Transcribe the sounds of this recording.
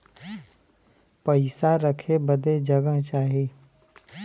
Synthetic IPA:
pəɪsaɾəkʰebəd̪ed͡ʒəɡəɦt͡ʃaːɦeː

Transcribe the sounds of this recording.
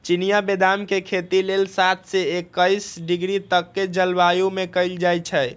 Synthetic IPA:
t͡ʃinijabed̪amkekʰet̪ilelsat̪̚ʰsɛekːəjsɖiɡɾit̪əkːed͡ʒəlbajumekəɪld͡ʒajt͡ʃʰə

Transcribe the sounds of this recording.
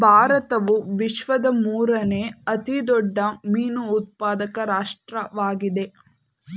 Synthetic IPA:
bʱaːɾɐt̪ɐʋuʋiʃʋɐd̪ɐmuːɾɐne̞ɐt̪id̪ɔɖːɐmiːnuːt̪̚paːd̪ɐkɐɾaːʂʈɾɐʋaːɡid̪e̞

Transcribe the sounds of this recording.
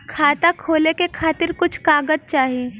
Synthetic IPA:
kʰaːt̪akʰoːlekekʰaːt̪ɪɾkʊt͡ʃʰkaːɡəd͡ʒ̪̚t͡ʃaːɦieː

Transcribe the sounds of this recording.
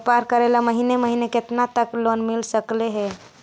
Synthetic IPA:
paɾkəɾelaməɦineməɦineket̪nat̪əklonmilsəkleɦɛ

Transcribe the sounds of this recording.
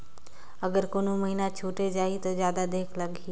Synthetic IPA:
ɐɡəɾkoːnoməɦiːnat͡ʃʰuːʈed͡ʒaːit̪ozjaːd̪ad̪eːkʰlɐɡɦiː

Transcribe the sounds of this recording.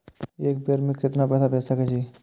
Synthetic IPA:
ek̚beɾmekːɪt̪napɛsʰad̪esəket͡ʃʰi

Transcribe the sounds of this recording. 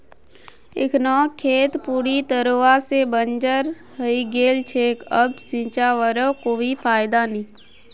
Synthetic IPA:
ɪ̰kʰnɔːkʰːeːt̪puːɾit̪əɾoːasebənd͡ʒəɾ | ɦəiɡeːlt͡ʃʰekəbsĩːt͡ʃaʋəɾəkoːipʰaːɪd̪anĩː

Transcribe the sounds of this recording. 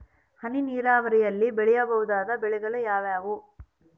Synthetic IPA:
hɐniniːɾaːʋɐɾɛjɐlːibɛɭɛjɐbɐʋud̪aːd̪ɐbɛɭɛɡɐɭɐjaːʋjaːʋu

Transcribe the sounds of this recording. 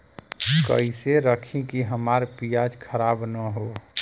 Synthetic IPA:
kə̰iseɾəkʰĩkiɦəmaɾpijad͡ʒkʰəɾaːbnəɦo

